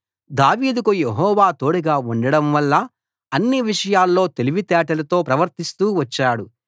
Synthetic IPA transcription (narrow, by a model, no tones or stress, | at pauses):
d̪aːʋiːd̪ukuje̞ɦɔːʋaːt̪o̞ːɽuɡaːuɳɖɐɽɐmʋɐlːɐ | ɐnːiʋiʂɐjaːlːo̞ːt̪e̞liʋit̪ɛːʈɐlɐt̪o̞ːpɾɐʋɐɾt̪ist̪uːʋɐt͡ʃːaːɽu